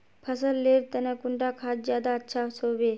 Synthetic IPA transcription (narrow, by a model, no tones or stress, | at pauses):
pʰəsəlːeːɾt̪ɐnekuɳʈakʰaːt̪zjaːd̪aətːʃʰasoːʋe